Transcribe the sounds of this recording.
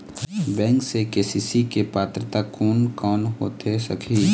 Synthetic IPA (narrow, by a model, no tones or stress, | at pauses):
bɛ̃ːŋksekeːsiːsikepaːt̪ɾət̪akoːnkɔːnɦo̰ːt̪esɐkʰi